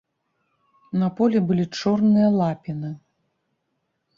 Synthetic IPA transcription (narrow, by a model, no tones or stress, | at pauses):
nɐpɔlʲɛbɨlʲit͡ʂɔrnɨjɐlˠapʲinɨ